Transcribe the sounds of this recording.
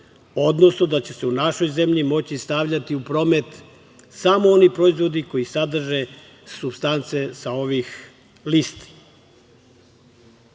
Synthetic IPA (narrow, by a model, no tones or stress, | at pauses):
o̞d̪no̞sno̞d̪at͡ɕe̞se̞unaʃo̞jze̞mʎimo̞t͡ɕist̪aʋʎat̪iupɾo̞ːme̞t̪ | samoo̞nipɾo̞izʋo̞d̪iko̞isad̪r̩ʒe̞ | subst̪ant̪se̞sao̞ʋix | list̪i̥